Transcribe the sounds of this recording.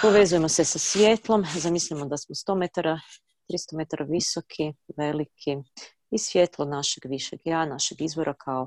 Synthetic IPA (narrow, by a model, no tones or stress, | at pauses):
po̞ʋe̞zuje̞mo̞sesasʋʲje̞t̪lˠo̞mzamisʎamod̪asmost̪omet̪aɾa | t̪ɾist̪omet̪aɾʔaʋisokʰiʋelikʰi | isʋjet̪lˠonaʃeɡʋiʃeɡjanaʃeɡizboɾʔakʰao